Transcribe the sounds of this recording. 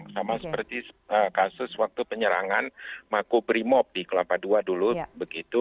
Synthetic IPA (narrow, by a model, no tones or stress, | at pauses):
samasə̥pərt̪iəkasʊswak̚t̪upəɲəɾa̰ŋanmakobɾimɔp̚dikəlapaduadulubəɡit̪u